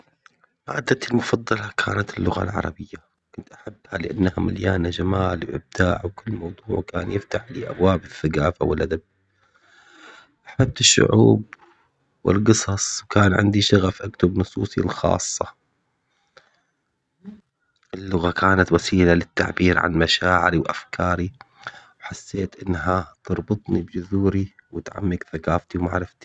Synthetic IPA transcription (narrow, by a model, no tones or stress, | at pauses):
ma̰ʔd̪ːat̪ɪlmʊfɑd̪ˤːɑlɑkʰa̰ːnat̪ɪlːʊɣa̰lʕɑ̰ɾˤɑ̰bɪjːa | kʊnt̪ʔaħabːhalɪʔanːhama̰ljaːnad͡ʒamaːlwʔɪ̰b̚d̪a̰ːʕwkɪlːmɑwd̪ˤuːʕkaːnjɪft̪aħlḭːʔa̰bwaːbɪθːaɡaːfa̰wɪlʔad̪ab̚ | ʔaħab̚t̪ɪʃːʊ̰ʕuːb̚ | wɪ̰lqɨsˤɑsˤwkaːnʕɪ̰nd̪iʃaɣafʔakt̪ʊbnʊsˤuːsˤilxɑ̰ːsˤːɑ | ʔɪlːʊɣakʰaːnat̪wasiːlalɪt̪ːa̰ʕbiːɾʕa̰nmaʃaːʕɪ̰ɾiwʔafkʰɑːɾi | wħasːeːt̪ʔɪnːɦat̪ɑɾˤbɨt̪ˤnibd͡ʒʊðuːɾiwɪt̪ʕa̰mːɪɡθakaːft̪iwma̰ʕɾˤɪft̪i̥